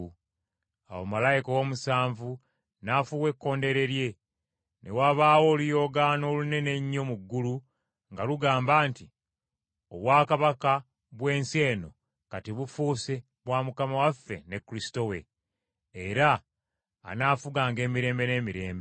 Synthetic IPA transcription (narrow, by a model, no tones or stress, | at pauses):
a̰wo̰malajikowo̞musaːɱvu | nafuwe̞kːo̞ːnde̞ɾe̞ɾje̞ | nʔe̞̰waβaːwo̞ːlujo̞ːɡaːno̞ːlune̞ne̞ɲːo̞muɡːulu | ŋɡaluɡaːmbaːnti | o̰βwaːkaβaka | βwe̞ːnse̞ːno̞ | katiβufuːse̞ | βwaːmukamawafːe̞ne̞kːuɾisi̥to̞we̞ː | ɾa̰ː | naːfuɡaːŋɡe̞ːmiɾe̞ːmbe̞ne̞ːmiɾe̞ːmbe